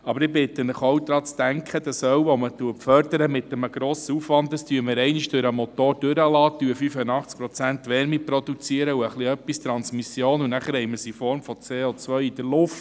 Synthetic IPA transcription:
ɑbəɾɪbɪt̪ːənəχowd̪ɾɑːt͡st̪æŋkχəd̥̪ɑsœwʋɔmət̪uəpfœɾd̪əɾəmɪt̪əməɡ̥ɾoːsəufʋɑnt̪dɑstyəməɾɛɪniʃd̥ʉɾəmɔt̪oːɾd̥øɾəlɑːt̪yəfyfənɑχt͡sk̚pɾɔt͡sænt̪ʋɛɾmipɾɔd̪ut͡siəɾəuəχliœpːist̪ɾɑnsmisjoːnunæχəɾhɛɪməɾsifɔɾmfɔt͡seːot͡sʋœʏid̥əɾlʊft

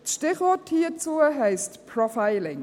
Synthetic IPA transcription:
ʃtɪχvɔthiːət͡suːəɦɛɪstpʰɾɔfaɪlɪŋ

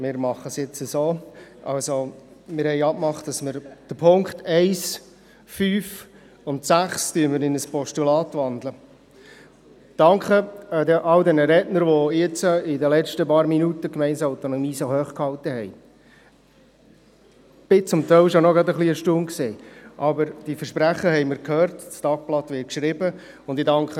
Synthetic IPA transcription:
mɪːɾmɑχəsjɪt͡səsoːʔɑ̰lsomɪːɾhɛɪɑpmɑχtd̥ɑsməɾd̥əpʰʊŋkχtʰɛɪs | fyːf | ʊntsæχstyənməɾɪnəspɔʃtulɑːt̪ʋɑnd̪lə | d̥ɑŋkχədɛʔɑldɛnəɾɛtnəɾʋojɛt͡səɪdəlɛt͡ʃtəpɑːɾminutəkmɛɪnsaʊt̪onɔmiːsohœːχkhɑlt̪əɦɛɪ | b̥ɪt͡sʊmt̪ɛɪlʃonɔɡɾɑdəχliəʃtunkseːʔɑbəɾd̥ifəɾʃpɾæχəɦɛɪməɾkʰhøːrtstɑːk̚plɑt̪ʋɪːt̚kʃɾɪbə | ʊnd̪idɑŋkχə

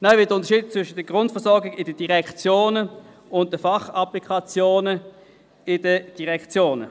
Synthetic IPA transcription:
naɪvɪdəʊntəʃiːdt͡svʏʃətd̥əɡ̥ʁʊntfəɐsɔɾɡɪɡɪdəd̥iʁɛkt͡sjoːnə | ʊnt̚d̥əfɑχɑplikχɑt͡sjoːnə | ɪd̥əd̥iʁɛkt͡sjoːnə̰

